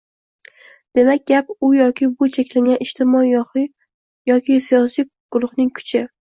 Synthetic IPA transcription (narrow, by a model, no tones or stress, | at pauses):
d̪̥e̞mak̚ʲɡʲapʊjɒkʲʰɪbʊt͡ʃʰekʲlaɡʲanɪʃt̪ʰɪmɒjːɒχɪ | jɒkʲɪsijɒsij | ɡ̥ʊɾʊhnɪŋkʰʊ̥t͡ʃʰɪ